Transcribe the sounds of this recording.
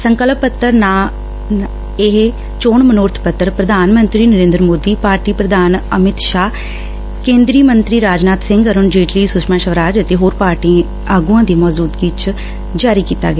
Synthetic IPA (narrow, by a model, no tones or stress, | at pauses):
səŋkəlpət̪ːəɾnaː | ɪɦ | t͡ʃoːɳmənʊːɾt̪ʰpət̪ːəɾpɾəd̪ʱaːnmənt̪ɾiːnəɾẽːnd̪ɾmoːd̪iːpaːɾʈiːpɾəd̪aːnəmɪt̪ʃaː | kẽːnd̪ɾiːmənt̪ɾiːɾaːd͡ʒnaːt̪sɪ̃ŋɡəɾʊnd͡ʒeːʈliːsʊʃmãːʃəʋɾaːd͡ʒət̪eːɦoːɾpaːɾʈiẽ | aːɡuãːd̪iːmɔːzuːd̪ɡiːt͡ʃ | d͡ʒaːɾiːkiːt̪a̰ːɡəaː